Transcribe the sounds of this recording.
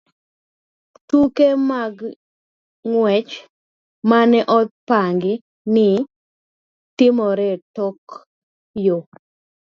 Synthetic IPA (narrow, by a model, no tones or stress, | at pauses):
tukemaɡ | ŋwɛt͡ʃ | manɛʔɔt̪̚paŋɡɪ | nɪ | tɪmɔɾɛtɔk | jo